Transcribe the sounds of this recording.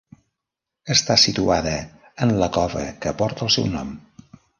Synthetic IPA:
əst̪asit̪uaðəː | nləkɔvə̰kəpɔɾt̪əlˠsɛ̰wnɔ̰m

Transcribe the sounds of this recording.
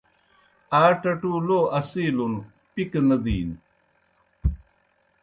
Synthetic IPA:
aːʈɐʈuːloːɐsiːlun | piknɐd̪iːn

